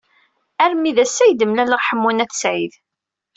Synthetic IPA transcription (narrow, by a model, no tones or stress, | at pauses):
æɾmiðæsːæjd̪əmlæləʁħəmːunæθsʕið